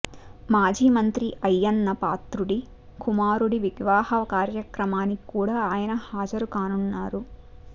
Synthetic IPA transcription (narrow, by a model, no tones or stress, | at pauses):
maːd͡ʒiːmɐnt̪ɾiʔɐjːɐnːɐpaːt̪ɾuɽi | kumaːɾuɽiʋiɡʋaːhɐʋɐkaːɾjɐkɾɐmaːnikuːɽaːjɐnɐhaːd͡ʒɐɾukaːnunːaːɾu